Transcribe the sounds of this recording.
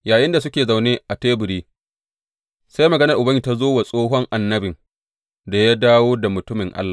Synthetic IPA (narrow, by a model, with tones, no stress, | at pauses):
jaː˨jɪ˦nda˨s̬ʊ˦kʲeː˨za˨wneː˦ʔa˨teː˦bʊ˨ɽiː˦ | sa˦jmɐ˨ɡɐ˦nɐ˨rʔʊ˨bɐ˦i˨ta˦zoː˦wa˨sʼoː˦ɦɔ˦ŋʔa˨nːɐ˦bɪ˨ŋ | da˨ja˦daː˦woː˦da˨mʊ˨tʊ˦mɪ˨ŋʔa̰˦lːa˨